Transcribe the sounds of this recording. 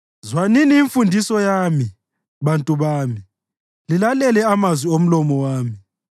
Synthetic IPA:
zwaniniːɱfundʱisɔjaːmi | βantʼuβaːmi | lilalɛlɛamazwiom̩lɔmɔwaːmi

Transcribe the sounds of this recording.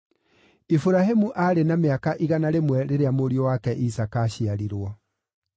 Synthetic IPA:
ifuɾahemuʔaɾenameakaʔiɣanaɾemwɛɾeɾeamoɾiowakɛʔisakaɕiaɾiɾwɔ

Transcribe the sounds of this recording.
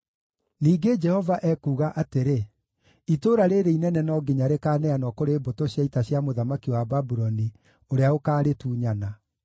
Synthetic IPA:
niːɡed͡ʒɛhɔvaʔɛkuːɣaʔateɾe | itoːɾaɾeɾeinɛnɛnɔɡiɲaɾekaːnɛanɔkoɾeːbotoɕjaitaɕjamoðamakiwababuɾɔni | oɾeaokaːɾetuːɲana

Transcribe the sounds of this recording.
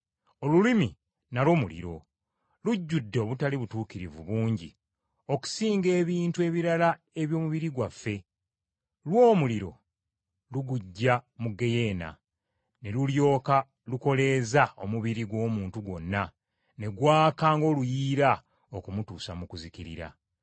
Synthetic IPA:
o̞lulimi | nalo̞ːmulḭɾo̞̰ | luɟːudːeoβutaliβutuːkiɾivṵβuːɲɟḭ | o̞ku̥siːŋɡe̞ːβiːntue̞βiɾala | e̞βjo̞ːmuβiɾiɡwafːe̞ | lwo̞ːmuliɾo̞̰ | luɡuɟːamuɡe̞je̞ːna̰ | ne̞luljo̞ːka | luko̞le̞ːzao̞muβiɾiɡwo̞ːmuːntuɡo̞nːa | ne̞ɡwaːkaːŋɡo̞lujiːɾa | o̞kumutuːsamukuziciɾḭɾa̰

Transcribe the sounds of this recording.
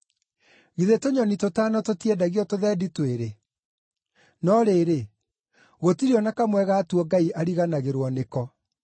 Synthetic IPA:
ɣiðetoɲɔnitotaːnɔtotiɛdaɣiɔtoðɛːditweɾe | nɔɾeɾe | ɣotiɾiɔnakamwɛɣatwɔɡaiʔaɾiɣanaɣeɾwɔnekɔ

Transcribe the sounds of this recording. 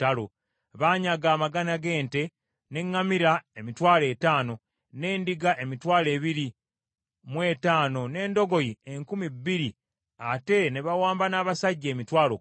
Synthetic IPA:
talo | βaɲaɡaːmaɡanaɡe̞ːnte̞ | ne̞ŋːamiɾaemitwaːle̞ːtaːno̞ | ne̞ːndiɡaʔe̞mitwaːle̞ːβiɾi | mwe̞ːtaːno̞ne̞ːndo̞ɡo̞jieŋkumibːiɾi | ate̞ne̞βawaːmbanaːβasaɟːeːmitwaːlo

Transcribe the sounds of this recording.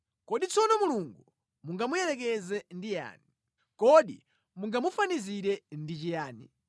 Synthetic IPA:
kɔɗit͡sʰɔnɔmuluŋɡu | muŋɡamujɛɾɛk̬ɛzɛndija̰ːni | kɔɗḭ | muŋɡamufaniziɾɛndit͡ʃijaːni

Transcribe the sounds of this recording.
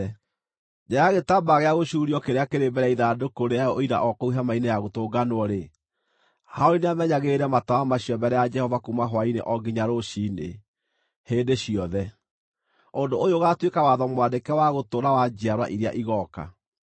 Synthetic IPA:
ɲajaɣetabaɣeaɣoɕuːɾiɔkeɾeakeɾembɛɾaiðaːdokoɾeaɔʔoiɾa̰ʔɔkɔuɦamainejaɣotoːɡanoɔɾe | haoɾineamɛɲaɣeɾɛmatawamaɕiɔbɛɾɛjad͡ʒɛhɔvakumaɦwainḛʔɔɡiɲaɾoɕinḛ | hendeɕiɔðɛ | ondoːjoɣatwekawaðɔmwandekɛwaɣotoːɾawad͡ʑiaɾwa̰ʔiɾea̰ʔiɣɔka̰

